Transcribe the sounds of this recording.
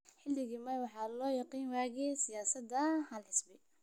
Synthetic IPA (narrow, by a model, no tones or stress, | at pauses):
ħɪlːɪɣiːmɐwɑħɑːlɔːjɑqiːnwaːɣɛːsɪjaːsɐd̪ɐhɐlħɪsbɪ